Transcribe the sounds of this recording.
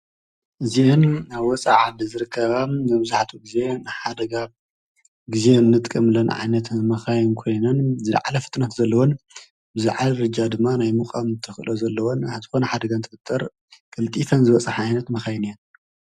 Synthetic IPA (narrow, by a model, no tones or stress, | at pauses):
ʔɨziɨnaβwɔt͡sʼaʕad̪izɨɾɨkʰːɐβamɐβzaħt̪ʰuɡize̞nɨħad̪ɐɡa | ɡize̞nːɨt̪ʼkʼːɐmɨlɐnʕa̰jnɐt̪mɐxajunkʰo̞jnɐnzɨl̰ʕa̰lɐfɨ̥t̪ʼnɐt̪zɐlːɐwon | bɨzɨʕalɾɨd͡ʒad̪ɨmːanajmukʼamt̪ʰɨxɨlozɐlːɐwonazɨxo̞nɐħad̪ɐɡant̪ʰɨfɨt̪ʰʼːɐɾ | kʼɨlt̪ʼit̪ʰɐnzɨβɐt͡sʼɐħajnɐt̪mɐxajnijɐn